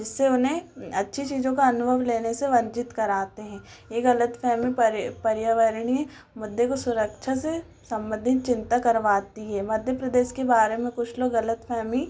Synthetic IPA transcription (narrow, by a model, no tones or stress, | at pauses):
d͡ʒɪsːeʊnɦẽɐtːʃʰit͡ʃiːzõkaɐnʊbʱəʋleːneseʋɐ̃ɲt͡ʃɪt̪kɐɾaːt̪eɦɛ̃ː | jeɣɐlət̪fʰɛːmipɾpɐɾjəʋəɾɽ̃i | mʊd̪ːekosʊɾəkʃʰase | sɐ̃mbə̃nd̪ʱɪt̪̚t͡ʃɪ̃nt̪akɐɾʋaːt̪iɦɛːmɐd̪ʱjəpɾɐd̪eːʃkebaːɾemẽkʊt͡ʃʰloːɡɣɐlət̪fʰɛːmi